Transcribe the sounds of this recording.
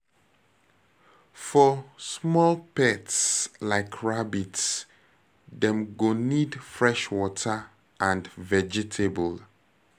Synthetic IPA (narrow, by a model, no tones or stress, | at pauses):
fɔsmɔlpɛtslaɪkʰɹabits | dɛ̃mɡonidfɹɛʃwɔtʰə | ʔãndvɛd͡ʒitʰebəl